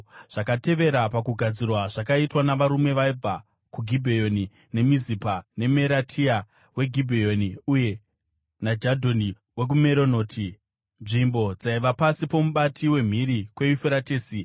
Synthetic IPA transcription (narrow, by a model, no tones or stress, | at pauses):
ʐ̥akate̞ʋe̞ɾapakuɡʱad͡zirwaʐakaitwanaʋaɾume̞ʋaib͡va | kuɡʱibʱejo̞ni | ne̞mizipane̞me̞ɾatʰia | we̞ɡʱibʱejo̞niuje̞ | nad͡ʒadʱo̞ni | we̞k̬umeɾono̞ːtʰi | nʐimbo̞d͡zaiʋapasipo̞muɓatiwe̞m̤iɾikwe̞ufeɾateːsi